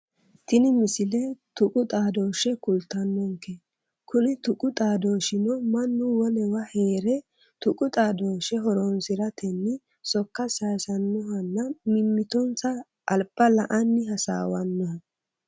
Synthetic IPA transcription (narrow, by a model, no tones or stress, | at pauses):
t̪ɪnɪmɪsɪlɛt̪ʊkʼʊt̪ʼaːd̪oːʃɛkʊlt̪ːɐnːɔŋkːe | kʊnɪt̪ʊkʼʊt̪ʼaːd̪oːʃɪnɔmɐnːʊwɔlɛwɐheːɾɛ | t̪ʊkʼʊt̪ʼaːd̪oːʃɛɦɔɾɔnsɪɾɐt̪ʰɛnːɪ | sɔkːɐsaːsɐnːɔɦɐnːɐmɪmːɪt̪ɔnt͡sɐː | lbɐlɐʔɐnːɪɦɐsa̰ːwɐnːɔhɐ